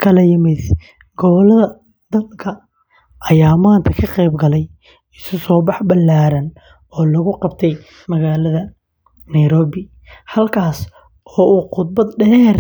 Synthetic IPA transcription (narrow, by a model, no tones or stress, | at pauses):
kʰɐlɐjɪmɪd̪ | ɡɔβɐlɐðɐ | d̪̥ɐlkʰɐ | ʔɐjaːmaːnt̪ʰɐkʰɐqɛjbɡɐlɛj | ɪsʊsɔːbɑħbɐlːaːɾɐn | ɔːlɐɣʊqɑb̚t̪ʰɛj | mɐɣaːlɐðɐ | nɐjɾɔːβɪ | hɐlkʰaːs | ɔːʔuːqʊd̪̚bɐd̪ɖɛːr